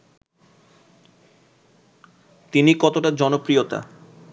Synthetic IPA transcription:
t̪inikɔt̪oʈad͡ʑɔnopɾijot̪a̰

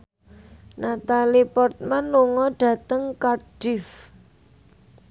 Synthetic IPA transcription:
nat̪alipɔrt̪̚manluŋɔɖ̥ä̤t̪əŋkarɖ̥ɪf

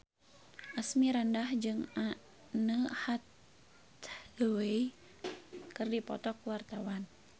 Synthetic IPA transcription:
ʔasmiɾandahd͡ʒɨŋa | nəhat̪ | ɡəwej | kɨrdipɔ̰t̪ɔkuwart̪awan

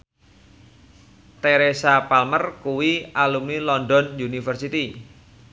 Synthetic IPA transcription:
t̪eɾesapalmərkuwialumnilɔndɔnjunifərsit̪i

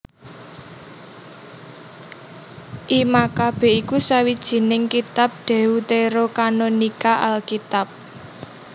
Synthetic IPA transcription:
ʔimakab̥ɛ̤ʔikusawid̥ʒ̥i̤nɪŋkit̪ap̚ɖ̪̥ɛ̤ut̪eɾokanonikaʔalkit̪ap̚

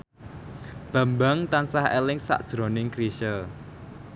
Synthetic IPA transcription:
b̥a̤mbaŋt̪ansahelɪŋsa̰ʔd̥ʒ̥ɾo̤nɪŋkɾiʃəl

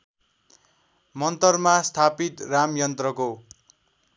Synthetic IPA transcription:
mʌnt̪ʌrmast̪ʰapit̪ramjʌnt̪rʌko

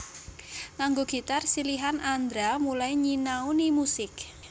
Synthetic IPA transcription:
kaŋɡoɡ̥i̤t̪arsiliɦanʔand̪ɾamulajɲinaunimusɪk̚

